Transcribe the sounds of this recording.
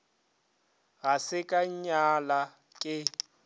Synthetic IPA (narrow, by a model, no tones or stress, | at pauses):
ɣasɪkʼaɲɲala | kʼɪ